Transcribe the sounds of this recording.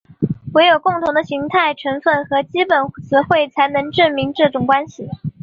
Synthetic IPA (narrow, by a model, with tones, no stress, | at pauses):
we˧˥ɪjo˨˩ʊkʊ˥˩ŋt̪ʰʊ˧˥ŋd̪ə˧ɕi˧˥ŋt̪ʰa˥˩ɪʈ͡ʂʰɤ˧˥ŋfə˥˩nxɤ˧˥t͡ɕi˥pə˨˩nt͡sʰɹ̩˧˥xwe˥˩ɪt͡sʰa˧˥ɪnɤ˧˥ŋʈ͡ʂə˥˩nmi˧˥nʈ͡ʂɤ˥˩ʈ͡ʂʊ˨˩ŋkwa˥nɕi˨˩